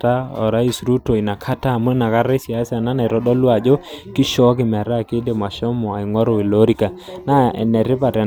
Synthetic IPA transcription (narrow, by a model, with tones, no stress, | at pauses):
ta˦ɔ˨ɾa˦i˨sɾu˦to˨i˨na˨kʰa˦ta˦˨mu˦na˨ka˦ɾe˦sja˨˦sa˨na˦na˨i˨ɾɔ˦dɔ˦lwa˨d͡ʒo˦ki˦ʃɔ˦k̬ɪ˨mɛ˨ɾa˦˨ke˦de˨ma˨ʃɔ˦mɔ˨a˨i˨ŋwɔ˦ɾo˨i˨lo˦ɾi˦ka˨na˦ɛ̰˨nɛ˨ɾɪ˦pa˨ɾɛ˨